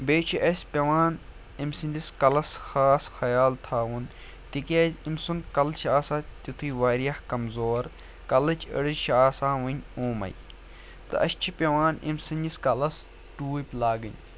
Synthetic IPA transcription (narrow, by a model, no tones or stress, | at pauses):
beːt͡ʃʰiʔɐsʲpʲɐʋaːn | imsɨnʲd̪iskɐlɐsxaːsxɐjaːlt̪ʰaːʋun | t̪ikʲeːzʲimsunkɐlt͡ʃʰaːsaːt̪it̪ʰɨːʋaːɾijɐhkɐmzoːɾ | kɐlɐt͡ʃʰə̰ɽɨʃʰaːsaːʋɐnʲoːmɐ̰j | t̪ɨ̰ʔɐʃt͡ʃʰipʲɐʋaːnḭmsɨnʲiskɐlɐs | ʈuːpʲlaːɡɨ̰nʲ